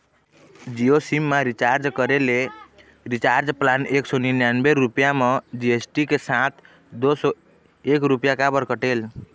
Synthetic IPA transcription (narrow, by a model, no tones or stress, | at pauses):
d͡ʒiosimːaɾit͡ʃaɾd͡ʒkəɾele | ɾit͡ʃaɾd͡ʒplaneksoninjanbeɾupjamɔd͡ʒiesʈikesat̪ʰ | d̪osɔ | ekɾupjakabəɾkəʈel